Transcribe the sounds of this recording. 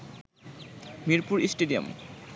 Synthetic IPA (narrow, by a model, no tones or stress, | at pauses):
miɾpuɾisʈeɖio̰m